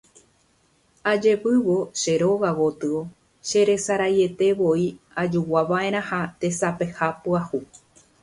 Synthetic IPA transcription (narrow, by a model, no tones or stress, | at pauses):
ad͡ʒe̞pɨʋo̞ʃe̞ɾo̞ɣawot̪ɨo̞ | ʃe̞ɾe̞saɾaje̞t̪e̞ʋo̞i | ad͡ʒuwaʋae̞ɾ̃ãhat̪e̞sape̞hapuahu